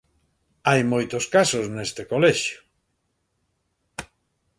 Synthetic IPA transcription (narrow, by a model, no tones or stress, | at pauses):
ajmojt̪oskasoznest̪ekoleʃjo̥